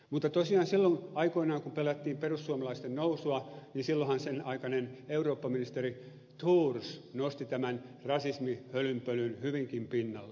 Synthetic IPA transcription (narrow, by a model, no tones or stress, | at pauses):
mut̪ːɑt̪osiɑːnsilːonɑikoinɑːŋkumpelæt̪ːiːmperussuɑmɑlɑist̪ennousuɑninsilːohɑnsenɑikɑneneuroːpːɑminist̪eri | t̪uːrsnost̪it̪æmænrɑsismihølympølynhyʋiŋkimpinːɑlːe